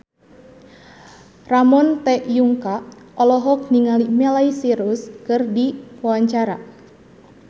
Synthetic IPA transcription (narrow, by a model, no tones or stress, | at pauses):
ramɔnt̪ɛʔjuŋka | ɔlɔɦɔk̚niŋalimɛlaisiɾuskɨrdipɔwaɲt͡ʃaɾa